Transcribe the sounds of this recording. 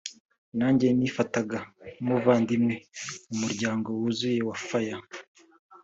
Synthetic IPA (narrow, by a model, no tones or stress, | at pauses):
naːɲɟe̞nifataɡamuvaːndimŋeumuɾɟaːŋɡo̞wuzujewafaja